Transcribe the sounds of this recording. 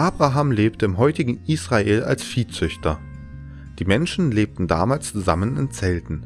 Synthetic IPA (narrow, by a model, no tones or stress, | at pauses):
ʔaːb̥ʁaɦaːmleːptəɪmɦɔʏtɪɡŋ̩ʔiːsʁ̥aeːla̰lsfiːt͡sʏçtʰɐ | d̥iːmɛnʃn̩leːp̚tn̩da̰ːmaːlst͡suzamənɪ̰nt͡sɛltn̩